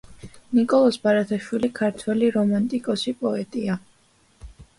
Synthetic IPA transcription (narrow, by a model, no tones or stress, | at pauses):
nikʼɔlˠɔsbaɾat̪ʰaʃwilikʰaɾt̪ʰwɛliɾɔmant̪ʼikʼɔsipʼɔɛt̪ʼia